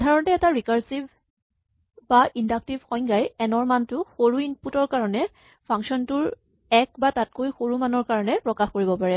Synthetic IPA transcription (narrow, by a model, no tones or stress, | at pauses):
dʱaɹɔntɛːtaɹikaɹsib | baʔindak̚tibxɔjŋɡajɛnɔɹmantʊxoɹuinputɔɹkaɹɔnɛ | pʰaŋksɔntʊɹ | ɛkbatat̚kojxoɹumanɔɹkaɹɔnɛpɹɔkaxkoɹibɔpaɹɛ